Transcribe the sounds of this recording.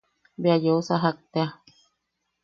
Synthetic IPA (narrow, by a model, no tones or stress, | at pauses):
beajousaɦak̚t̪ea